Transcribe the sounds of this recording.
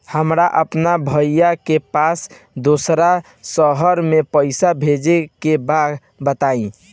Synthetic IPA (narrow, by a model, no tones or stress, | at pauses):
həmɾaʔəpnabʱəjakepas | d̪osɾa | səɦəɾmepəɪsabʱed͡ʒekebad̪ | bət̪aĩ